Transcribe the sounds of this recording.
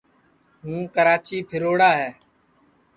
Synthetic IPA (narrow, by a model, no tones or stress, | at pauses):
ɦũːkəɾaːt͡ʃiːpʰɪɾoːɽaːɦɛː